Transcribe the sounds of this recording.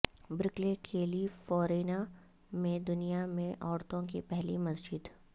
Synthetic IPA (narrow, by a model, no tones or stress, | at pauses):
bɾɪklekʰeːlifɔːɾeːna | mẽd̪ʊnijamẽʔɔːɾt̪õkipɛɦlimɐsd͡ʒɪd̪